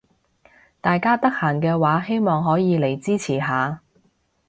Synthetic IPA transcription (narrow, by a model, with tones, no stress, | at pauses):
t̪aː˨jkaː˥t̪ɐ˥k̚haː˨˩nkɛː˧waː˨˥he˥jmɔː˨ŋɦɔː˨˥jiː˨˧le˨˩jt͡siː˥t͡sʰiː˨˩ɦaː˨˧